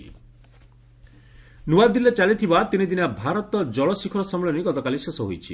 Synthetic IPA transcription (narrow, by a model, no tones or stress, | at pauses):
nuad̪ilet͡ʃalit̪ʰibat̪inid̪inabʱaɾɔt̪ɔd͡ʒɔɭɔsikʰɔɾɔsɔmɔɭɔniɡɔt̪ɔkalisesɔɦo̰jt͡ʃʰḭ